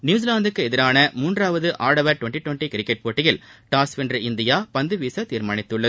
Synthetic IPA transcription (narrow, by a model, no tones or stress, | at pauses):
njuːd͡ʒɪlaːnd̪ɯkːɯɛðɪɾaːnɐmuːndraːʋɐðɯʔaːɽɐʋɐɾʈʊʋɐɳʈiʈʋɐɳʈikɪɾɪkːɛʈ̚poːʈːɪjɪlʈaːsʋɛndrɐɪnd̪ɪjaːpɐnd̪ɯʋiːsɐt̪iːɾmaːɳɪt̪ːɯɭːɐ